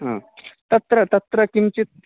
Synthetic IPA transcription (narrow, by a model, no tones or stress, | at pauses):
ɦə̰̃t̪ɐt̪ɾət̪ət̪ɾəkimt͡ɕit̪̚